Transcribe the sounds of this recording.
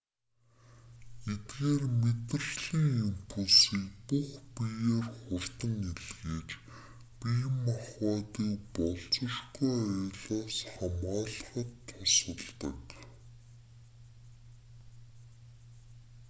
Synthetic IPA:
et̪ɣeːrmet̪̆r̆ɮiːŋimpʰusiːkpuχpijeːrχʊr̥t̪ə̆ŋeɮɣeːt͡ɕ | pijmːaχwaːt̪iːk̚pɔɮt͡sɞ̆ʃkujœjɮaːsχamaːɮ̆χə̆t̪ʰːʊsə̆ɮt̪ə̰̆k

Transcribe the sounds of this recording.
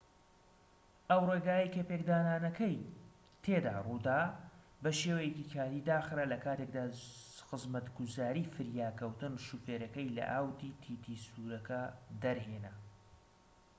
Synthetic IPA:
ʔɐwreːɡaːjɐjkɐpekd̪aːnaːnɐkɐj | t̪ʰeːd̪a̰ːrud̪aː | bɐʃeːwɐjekikʰaːɾiːd̪aːxɾalɐkʰaːt̪ek̚d̪aːxɨzmɐt̪ɡuzaːɾiːfɨɾjaːkɐwt̪ɨnʃuːfeːɾɐkɐjlɐ̰ʔaːwd̪iːt̪ʰiːt̪ʰisuːɾɐkɐd̪ɐɾɦeːnɐ

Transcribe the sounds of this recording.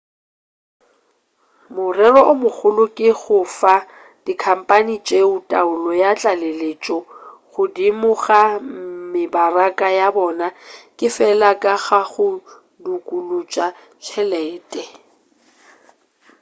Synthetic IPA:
mʊrɛrɔʔʊmʊk͡xʰʊlʊkʼɪɣʊfa | d̥ikʰam̩pʼanit͡ʃʼeʊtʼaʊlɔjat͡ɬʼalelet͡ʃʼɔɣʊdimʊɣamɪbarakʼajabɔːnakʼɪfɛlakʼaɣaɣʊ | dukʼulut͡ʃʼa | t͡ʃʰɛlɛːtʼɛ

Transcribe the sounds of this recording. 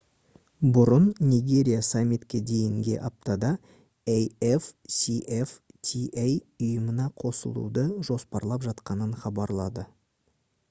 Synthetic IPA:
bʊɾənnijɡʲe̞ɾʲijasamʲːit̪kʲed̪e̞jɪŋɡʲe̞̰ʔɑp̚t̪ɑd̪ɑ | ejefsiʔeft̪ʲʰiʔejʊjəmənɑqʰo̞sə̰lˠṵd̪əʒo̞spɑɾlˠɑpʒɑt̪qɑnəɴχɑbɑɾlˠɑd̪ə

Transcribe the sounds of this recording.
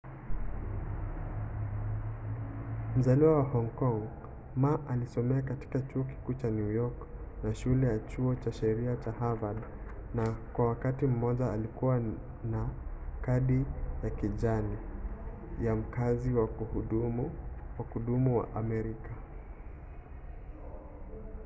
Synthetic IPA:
m̩zaliwawahɔŋkɔŋ | maʔalisɔmɛak̬ati̥kat͡ʃuɔk̬i̥kuːt͡ʃanjujɔk | naʃulɛjat͡ʃuɔt͡ʃaʃɛɾiat͡ʃahavad | nakwawakatim̩mɔʄaːlikuwa | nakaɗijakiʄani | jam̩kaziwa | wakuɗumuwa̰ʔamɛɾika

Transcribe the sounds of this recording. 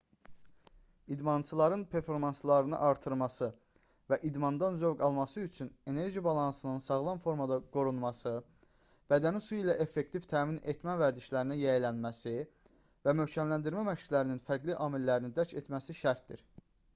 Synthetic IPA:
id̪mɑnt͡ʃʰɯlˠɑɾɯnpʰe̞ɾfo̞ɾmɑnslˠɑɾɯnɯ̰ʔɑɾt̪ʰɯɾmɑsɯ | væʔid̪mɑnd̪ɑnzøvɡɑlˠmɑsɯyt͡ʃʰyne̞ne̞ɾʒibɑlˠɑnsɯnɯnsɑɣlˠɑnfo̞ɾmɑd̪ɑɡ̥o̞ɾunmɑsɯ | b̥æd̪ænisuilæʔe̞fːe̞kt̪ʰivt̪ʰæːmine̞t̪ʰmævæɾd̪iʃlæɾinæjæjlænmæsi | væmø̞hcʰæmlænd̪iɾmæmæʃclæɾininfæɾɡliʔɑːmilːæɾinid̪æɾcʰe̞t̪ʰmæsiʃæɾt̪d̪ḭɾ

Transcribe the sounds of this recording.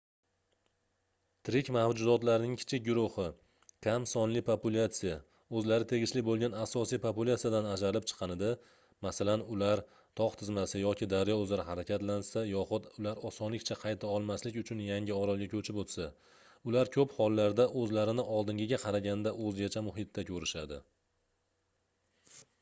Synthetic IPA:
t̪ʰɪɾɪkʲmahd͡ʒʊzɒt̪laɾɪnɪŋkʲʰɪ̥t͡ʃʰɪk̚ʲɡʲʊɾʊhɪ | kʲʰamsɒnlɪpʰopʊlʲat̪sija | ɵzlaɾɪt̪ʰe̞ɡʲɪʃlɪbolˠɡʲanasɒsijpʰopulʲˠat̪sijad̪anad͡ʒaɾlɪp̚t͡ʃʰɨ̥qʰɑnɪd̪ɪ | masalanʊlaɾ | t̪ʰɒqt̪ʰɪzmasɪjɒkʲʰɪd̪aɾjɒɵzlaɾɪɦaɾakʲʰat̪lansajɒχʊt̪ʊlaɾɒsɒnlɪkʲt͡ʃʰaqʰɑjt̪ʰaɒlˠmaslɪkʲʊt͡ʃʰʊnjaŋʲɪɒɾɒlˠɡʲakʲʰɵt͡ʃʰɪpot̪sa | ʊlaɾkʲʰɵphɒlˠːaɾd̪aʔɵzlaɾɪnɪʔɒlˠd̪ɪŋɡʲɪɡʲaqʰɑɾaɡʲanɪd̪aʔɵzɡʲat͡ʃʰamʊɦɪt̪ːakʲʰɵɾɪʃad̪ɪ̰

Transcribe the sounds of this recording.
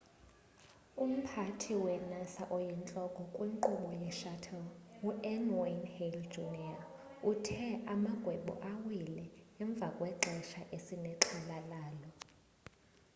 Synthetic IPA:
um̩pʰatʰiwɛnasaʔɔjɛnt͡ɬʼɔkʼɔkʼwiŋǃuɓɔjɛʃatʰɔluɛnwanhɛld̥d͡ʒunia | utʰɛʔamaɡ̥ʱwɛɓɔ̰ʔawilɛɛɱb̪vʱakʼwɛǁɛʃaʔesinɛǁʰɛlalaːlɔ

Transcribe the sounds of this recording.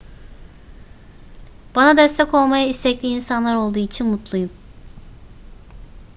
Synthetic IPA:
b̥anad̪ɛst̪ʰɛko̞lˠmajaist̪ʰɛclʲiːnsanlˠaɾo̞lˠd̪uːit͡ʃʰinmut̪ʰlˠujum

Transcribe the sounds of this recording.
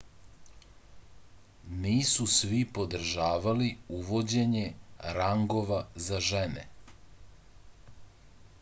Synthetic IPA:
niːsusʋipo̞d̪r̩ʒaːʋaliuʋod͡ʑe̞ɲe̞ɾaŋɡo̞ʋazaʒenḛ

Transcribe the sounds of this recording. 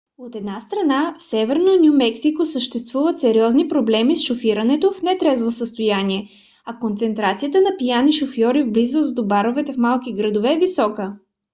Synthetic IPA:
ot̪ɛd̪nast̪ɾɐnafsɛvɛɾnonʲumɛksikosəʃt̪ɛst̪vuvət̪sɛɾiɔznipɾoblɛmisʃofiɾənɛt̪ofnɛt̪ɾɛzvosəst̪ojaniɛ | ɐkont̪sɛnt̪ɾat̪sijət̪ənɐpijaniʃofjɔɾivblizozd̪obaɾovɛt̪ɛfmalˠkiɡɾəd̪ovɛːvisɔkə

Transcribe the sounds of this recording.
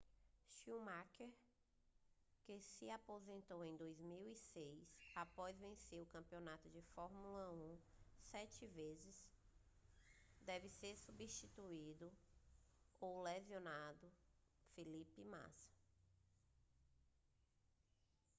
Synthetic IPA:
ʃiwmakeɾ | kɪsɪapozẽnt̪owẽj̃d̪ojzmiwisejsapɔzvẽseɾʊkɐ̃mpionat̪ʊd͡ʒɪfɔɾmulɐũsɛt͡ʃɪvezɪs | d̪ɛvɪseɾsubiʃt͡ʃit̪uid̪ʊ | owlezionad̪ʊfilipɪma̰sɐ̥

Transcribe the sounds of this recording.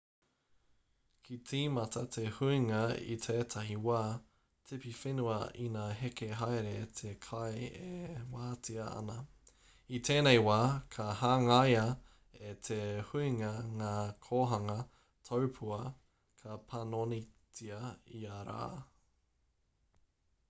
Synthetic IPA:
kʰit͡siːmɐtʰɐtʰehuiŋɐḭt̪ʰeːtʰɐɦiwaː | t͡sʰepifenuɐ̰inaɦekeɦajɾetʰekʰajewaːt͡siɐɐ̰nɐ | it̪ʰeːnejwaːkʰɐhaːŋajɐ | et̪ʰehuiŋɐŋaːkʰoːɦɐŋɐ | tʰowpʰuɐ | kʰɐpʰɐnonit͡siɐiaɾa̰ː

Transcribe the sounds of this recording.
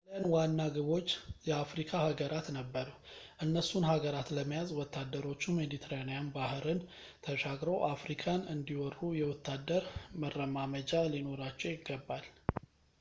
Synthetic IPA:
lənwanːaɡɨβo̞t͡ʃːjɛafɾikʰahaɡəɾʔat̪nəbːəɾuʔɨnːəsːunɦaɡəɾat̪ləmːijazwɔt̪ʰːad̪ːəɾo̞t͡ʃːume̞d̪it̪ʰəɾanijanbahɨɾɨn | t̪ʰəʃaɡɾəwʔafɾikʰanɨnd̪iwɔrːujɛwɔt̪ːad̪ːəɾmərːəmaməd͡ʒalino̞ɾat͡ʃːɛwjɪɡːəbːal

